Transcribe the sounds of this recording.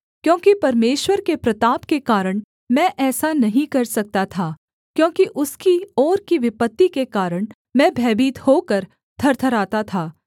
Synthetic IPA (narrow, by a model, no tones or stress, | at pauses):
kjõːkipɐɾmeːʃwəɾkepɾɐt̪aːpkekaːɾəɽ̃ | mɛ̃ʔɛːsanɐɦĩkɐɾsɐk̚t̪at̪ʰaː | kjõːkiʔʊskiɔːɾkiʋɪpət̪ːikekaːɾəɽ̃ | mɛ̃ːbʱɛːbiːt̪hoːkɐɾ | d̪ʰʱɐɾt̪ʰɐɾaːt̪at̪ʰaː